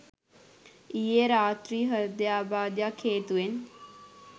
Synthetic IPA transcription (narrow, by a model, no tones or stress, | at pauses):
ijeɾaːt̪ɾiːɦəd̪jaːbaːd̪jakʰːeːt̪uʋen